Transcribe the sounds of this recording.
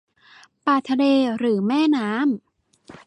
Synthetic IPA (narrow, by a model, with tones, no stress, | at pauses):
paː˨˩t̪ʰa˧leː˧ɾɯː˩˦mɛː˥˩naː˦˥m